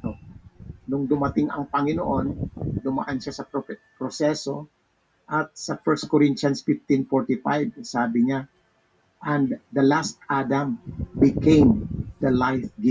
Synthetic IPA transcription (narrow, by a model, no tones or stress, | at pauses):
onʊŋd̪ʊmɐt̪ɪŋɐ̰ŋpɐŋɪnoʔo̞nd̪ʊma̰ʔanʃasɐppɾosɛso̞ | ʔɐt̪̚sɐfɛɹst̪̚koɾɪntt͡ʃɐnsfɪft̪ɪnfoɹt̪ɪfajvsaːbɪŋa | ʔɐnd̪d̪ɐlast̪̚ʔad̪ɐmbɪkẽjmd̪ɐlajfɡɪ